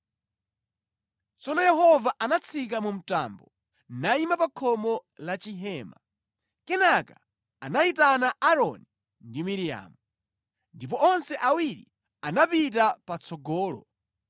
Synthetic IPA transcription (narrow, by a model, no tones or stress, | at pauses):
t͡sɔnɔjɛɦɔvaʔanat͡sʰik̬amum̩ta̰mbɔ | naimapakʰɔmɔlat͡ʃiɦɛːma̰ | kɛnaka | anaitanaʔaɾɔ̰ni | ndimiɾija̰ːmu | ndip̬ɔɔnsɛʔawiɾḭ | anapitapat͡sʰɔɡɔːlɔ̰